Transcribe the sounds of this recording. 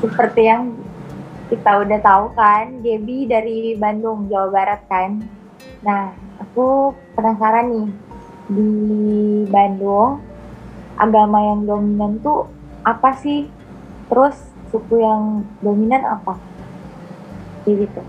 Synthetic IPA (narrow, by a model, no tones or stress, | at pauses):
səpərt̪ijaŋ | kit̪audaht̪aukandiabidaɾibandʊŋd͡ʒawabaɾat̪̚kanː | ahakupənasaɾanːɪ | di | bandʊŋ | ʔa̰ɡamajaŋdominant̪u | ʔapasɪh | t̪əɾʊs | sukujaŋdominana̰pa | d͡ʒadit̪u